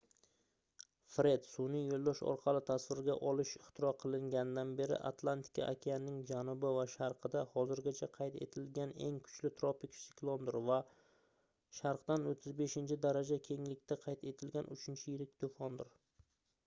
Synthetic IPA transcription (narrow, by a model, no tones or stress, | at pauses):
fɾe̞d̪sunɪjolˠd̪ɒʃɒ̰ɾqʰɑlˠɪt̪ʰasvɪɾɡʲa̰ʔɒlˠɪʃɪχt̪ʰɪɾɒqʰɨlˠɪŋɡʲanɪd̪anbe̞ɾɪ̰ʔa̰t̪ʰlˠant̪ʰɪ̥kʲʰa̰ʔakʲʰejanɪŋd͡ʒanʊbɪvaʃaɾqʰɨd̪ahɒzɪɾɡʲat͡ʃʰaqʰɑjt̪ʰe̞̰t̪ʰɪlɡʲane̞ŋkʰʊ̥t͡ʃlɪt̪ʰɾopɪksɪklˠond̪ɪɾva | ʃaɾqt̪anot̪ʰːɪzbe̞ʃɪnt͡ʃʰɪd̪aɾad͡ʒakʲʰe̞ŋlɪkʲt̪ʰaqʰɑjt̪ʰe̞t̪ʰɪlɡʲanʔʊt͡ʃʰɪnt͡ʃʰɪjɪɾɪk̚ʲt̪ʰofɒnd̪ɪɾ